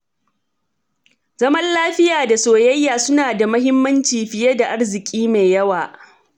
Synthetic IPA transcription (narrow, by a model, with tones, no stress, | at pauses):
zɐ˦mɐ˦nlaː˦ɸɪ˦jaː˨da˨soː˨jɐ˦jːaː˨sʊ˦naː˨da˨mɐ˦hɪ˦mːɐ˦nt͡ʃiː˨ɸɪ˨jɐ˦da˨ʔa˦rzɪ˨kʲʼiː˦meː˨jɐ˦waː˨